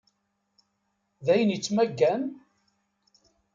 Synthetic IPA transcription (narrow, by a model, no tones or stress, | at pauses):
ðæjənjət͡sːmæɡːæn